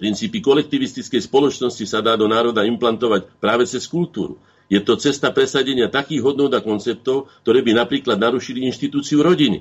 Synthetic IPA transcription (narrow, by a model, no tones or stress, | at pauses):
pɾint͡siːpikɔlɛk̚t̪iʋist̪it͡skɛjspɔlɔt͡ʃnɔscisad̪aːd̪ɔnaːɾɔd̪aimplant̪ɔʋacpɾaːʋɛt͡sɛskult̪uːɾṵ | jɛt̪ɔt͡sɛst̪apɾɛsaɟɛɲɪat̪akiːɣɦɔd̪nuɔd̪akɔnt͡sɛp̚t̪ɔʊk̚t̪ɔɾɛːbinapɾiːklad̪naɾuʃiliinʃt̪it̪uːt͡siuɾɔɟinḭ